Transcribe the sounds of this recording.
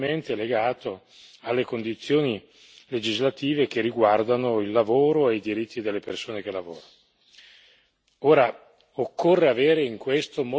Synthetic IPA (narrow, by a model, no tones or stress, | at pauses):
ment̪eleɡaːt̪o | alːekond̪it̪sːjoːni | led͡ʒizlat̪iːvekerːiɡward̪anoilːavoːɾoejd̪iɾit̪ːid̪elːepersoːnek̟elːavo̰ːɾan | oːɾa | okʰːorːeaveːɾeiŋkwest̪omo